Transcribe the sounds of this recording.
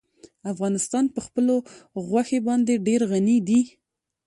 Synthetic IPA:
afɣɑnɪst̪ɑnpəxpəloɣwaxebɑnd̪eɖeɾɣanid̪i

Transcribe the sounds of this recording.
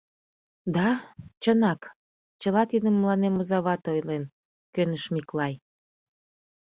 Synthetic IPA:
d̪ɑt͡ɕənɑk | t͡ɕəlɑt̪id̪əmːəlɑnemozɑβɑt̪ojlen | kønəʃmiklɑj

